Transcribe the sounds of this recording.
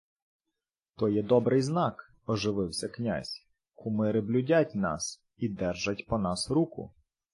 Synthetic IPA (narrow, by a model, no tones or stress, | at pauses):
t̪ɔjɛd̪ɔbɾɪjznɑk | ɔʒɪʋɪwsʲɐknʲa̰zʲ | kʰʊmɪɾɪblʲʊdʲatʲnɑ̰s | id̪ɛrʒɐtʲpɔnɑsɾukʊ̰